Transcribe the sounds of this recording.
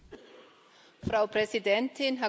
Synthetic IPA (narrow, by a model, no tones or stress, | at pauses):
fʁaʊpɾɛsidɛntʰɪnɦa